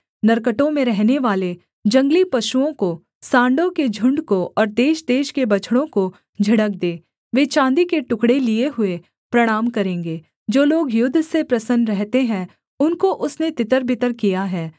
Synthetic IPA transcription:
nɐɾkəʈõmẽɾɛɦneʋaːle | d͡ʒɐ̃ŋɡlipɐʃuõko | sãːɳɖõked͡ʒʱʊ̃ɳɖkoʔɔːɾd̪eːʃd̪eːʃkebɐt͡ʃʰɽ̃õko | d͡ʒʱɪɽək̚d̪eː | ʋeːt͡ʃãːnd̪ikeʈʊkɽelieɦʊe | pɾɐɽ̃aːmkɐɾẽːŋɡeː | d͡ʒoːloːɡjʊd̪ʱːsepɾɐsənɾɛɦt̪eɦɛ̃ | ʊnkoʔʊsnet̪ɪt̪əɾbʱɪt̪əɾkijaɦɛː

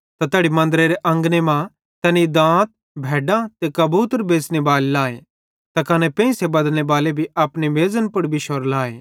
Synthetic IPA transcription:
t̪at̪eːɽimɐ̃nd̪ɾeɾeʔɐ̃ŋɡnemã | t̪ɛːnid̪ãːt̪̚ | bʱɛːɖãt̪ekɐbuːt̪əɾbeːsnebaːllaːe | t̪ɐkɐnɛpɛ̃ːsebɐd̪ñebaːlebʱiaːpneʋeːzənpʊɽbʱiʃoɾlaːḛː

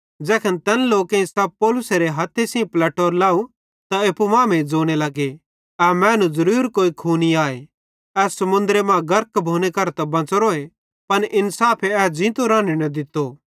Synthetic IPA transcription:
d͡ʒɛːkʰənt̪ɛːnloːkẽĩsaːb̚poːlʊseɾeɦɐt̪ʰːesĩplɛːʈoːɾlaːu | t̪aepumãːmẽd͡zoːɽ̃elɐɡe | ɛmɛ̃ːnũzɐɾuːɾkoːikʰuːniaːe | ɛːsɐmʊ̃nd̪ɾemãɡɐɾkbʱoːñekɐɾt̪ɐbɐ̃t͡sɾoːe | pɐnʔɪnsaːpʰeɛːd͡ʒĩːt̪oɾãːninɐd̪ɪt̪ːoː

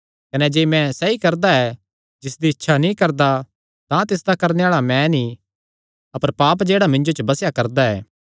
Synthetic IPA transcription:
kɐnɛd͡ʒeːmɛ̃sɛikɐɾd̪aɛ | d͡ʒɪsd̪iɪtːʃʰanĩkɐɾd̪a | t̪ãt̪ɪs̬d̪akɐɾneaːɭamɛ̃nĩ | ɐpəɾpaːp̬d͡ʒeːɽamɪ̃ɲd͡ʒot͡ʃəbɐsjakɐɾd̪aɛ̰ː

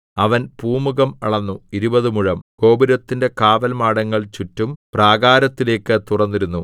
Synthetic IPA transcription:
ɐʋɐnpuːmuɣɐmɐɭɐnːuiɾubɐðɨmuɻɐmko̞ːbiɾɐt̪ːinde̞kaːʋɐlmaːɽɐŋːɐɭt͡ɕutːumpraːɡaːɾɐt̪ːile̞ːkːɨt̪urɐnːiɾunːu

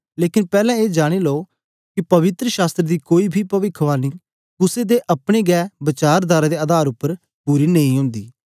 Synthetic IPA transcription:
leːkɪnpɛːlɛ̃ːeːd͡ʒaːɽ̃iːlooː | kɪpɐʋɪt̪ɾəʃaːst̪ɾd̪iːkoːiːbʱiːpəʋɪkʰʋaːniː | kʊseːd̪eːʔəpɽ̃eːɡɛːbət͡ʃaːɾd̪aːɾaːd̪eːəd̪aːɾʊpːəɾ | puːɾiːneĩːɦʊ̃ːnd̪iː

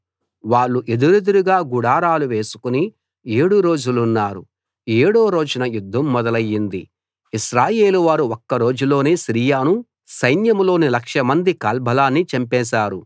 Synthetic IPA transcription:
ʋaːɭːuʔe̞d̪uɾed̪uɾuɡaːɡuɽaːɾaːluʋe̞ːsu̥kuni | eːɽuɾo̞ːd͡ʒulunːaːɾu | eːɽoːɾo̞ːd͡ʒunɐjud̪ʱːɐmːɔd̪ɐlɐjːind̪i | iʃɾaːje̞ːluʋaːɾuɔkːɐɾo̞ːd͡ʒulo̞ːneːsiɾijaːnu | sɐjnjɐmlo̞ːnilɐkʂɐmɐnd̪ikaːlbʱɐlaːnːit͡ʃɐmpɛːʃ̬aːɾu

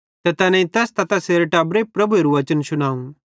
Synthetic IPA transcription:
t̪ɐt̪ɐnɛ̃ĩt̪ɐst̪ɐt̪aseːɾeʈɐːbɾepɾɐbueɾuʋɐt͡ʃənsʊñaːũ

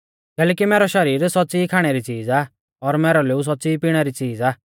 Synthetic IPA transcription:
kɛːlɛːkimɛːɾɔʃɐɾiːɾsɔtːt͡siːkʰaːɽ̃ɛɾit͡siːd͡zaː | ɔɾmɛːɾɔleus̬ɔtːt͡siːpiːɽ̃ɛɾit͡siːd͡zaː

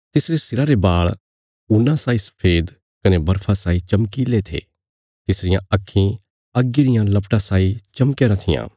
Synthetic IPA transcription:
t̪ɪsɾesɪɾaɾebaːɭ | ʊnãsaːisɐ̥pʰeːd̪ | kɐnebɐɾpʰãsaːit͡ʃɐmkilet̪ʰḛː | t̪ɪsɾɪjãɐkʰːĩ | ɐɡːiɾɪjãlɐpʈãsaːit͡ʃɐmkeɾãt̪ʰɪjã̰ː

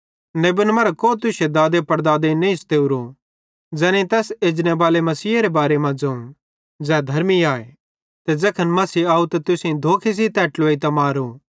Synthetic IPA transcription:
neːbɪnmɐɾkoːt̪ʊsed̪aːd̪epɐɾd̪aːd̪enẽɪst̪eːuɾo | d͡zɛːnẽt̪ɛːseːd͡ʒñebaːlemɐsiːaɾebaːɾemãd͡zɐ̃ũ | d͡zɛːd̪ʱɐɾmiaːe | t̪ɛd͡zɐkʰənmɐsiaːut̪ɐt̪ʊsĩd̪ʱoːkʰes̬it̪ɛːʈloːit̪ɐmaːɾo

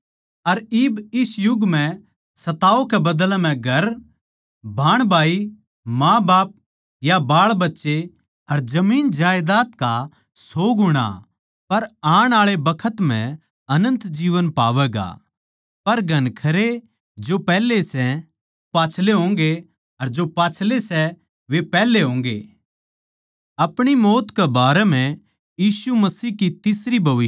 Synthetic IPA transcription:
ɐɾɪːbɪsjʊɡm̤ɛ̃ | sɐt̪aːokɛbɐd̪əlm̤ɛ̃ɡʱɐɾ | bʱaːɽ̃bʱaːi | mãːbaːp̚ | jabaːɭbɐtːʃe | ɐɾd͡ʒɐmiːnd͡ʒaːjd̪aːt̪ka | soːɡɦʊɽ̃a̰ | pɐɾaːɽ̃aːɭebɐkʰət̪m̤ɛ̃ | ɐnə̃nt̪d͡ʒiːʋənpa̰ːʋɛːɡa̰ | pɐɾɡʱɐnkʰɐɾe | d͡ʒopɛːlesɛ | paːt͡ʃʰleɦõːŋɡe | ɐɾd͡ʒopaːt͡ʃʰlesɛ | ʋepɛːleɦõːŋ̆ɡḛː | ɐpɽ̃imoːt̪kebaːɾɛm̤ɛ̃ | jiːsumɐsiːɦkit̪ɪsɾibʱɐʋɪ

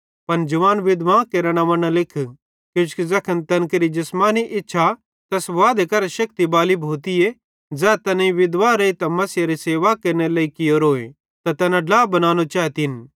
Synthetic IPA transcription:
pɐnd͡ʒɐʋaːnʋɪd̪ʋãkeɾɽ̃aʋɐ̃ñãlɪkʰ | kjõːt͡ʃkizɐkʰənt̪ɐnkɐɾid͡ʒɪsmaːniʔɪtːʃʰa | t̪ɐsʋaːd̪ekɐɾʃɐk̚t̪ibaːlibʱoːt̪ije | d͡zɛːt̪ɛnaĩʋɪd̪ʋaɾeit̪ɐmɐsɪjaɾiseːʋakɐɾnelɐːikɪjoɾoːḛ̃ | t̪at̪ɛːnãɖaːbɐnaːñot͡ʃaːt̪in

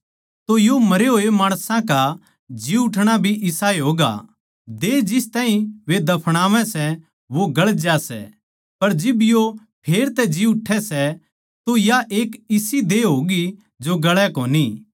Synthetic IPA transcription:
t̪ojomɐɾeɦoːemaːɽ̃sãka | d͡ʒiʊʈʰɽ̃abʱiʔɪsaːeɦoːɡa̰ | d̪ed͡ʒɪst̪aːĩʋed̪ɐpʰɽ̃aːʋɛ̃sɛ | ʋoɡɐɭd͡ʒasɛ̰ | pɐɾd͡ʒɪbjo | pʰeːɾt̪ɛd͡ʒiʊʈʰːɛsɛ | t̪ojaʔeːkɪsid̪eɦoːɡi | d͡ʒoɡɐɭɛkoːni

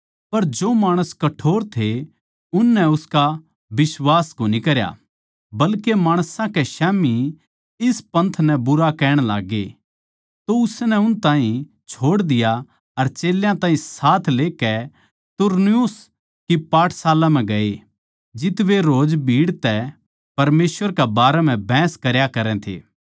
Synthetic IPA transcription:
pɐɾd͡ʒoːmaːɽ̃əskɐʈʰoːɾt̪ʰe | ʊnːɛʊska | bɪswaːskonikɐɾja̰ | bɐlkemaːɽ̃sãkeʃɛːmi | ɪspɐ̃nt̪ʰnɛbʊɾakɛːɽ̃la̰ːɡḛ | t̪oʊsnɛʊnt̪ãːɦĩ | t͡ʃʰoːɽd̪ɪja | ɐɾt͡ʃeːljãt̪ãːɦĩsaːt̪ʰleːkɛ | t̪ʊɾnijʊs | kipaːʈʰsaːlãm̤ɛ̃ɡɐe | d͡ʒɪt̪ʋeɾoːd͡ʒbʱiːɽt̪ɛ | pɐɾmeːsʋəɾkɛbaːɾɛm̤ɛ̃bʱɛ̃ːskɐɾjakɐɾɛ̃t̪ʰḛː

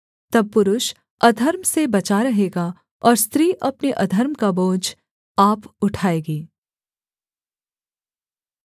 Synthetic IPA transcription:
t̪ɐb̚pʊɾʊʃ | ɐd̪ʱəɾmsebɐt͡ʃaɾɐɦeːɡa | ɔːɾst̪ɾiːʔɐpneʔɐd̪ʱəɾmkaboːd͡ʒ | aːpʊʈʰaːeːɡiː

